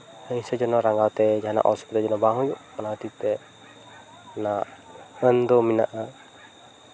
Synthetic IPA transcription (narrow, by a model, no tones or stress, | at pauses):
həisəd͡ʒɔnɔɾaŋɡawt̪ɛd͡ʒaɦana̰ʔɔ̰spit̪ad͡ʒɔnɔbaŋud͡ʒuʔmanat̪it̪ɛ | naənd̪ɔminaʔa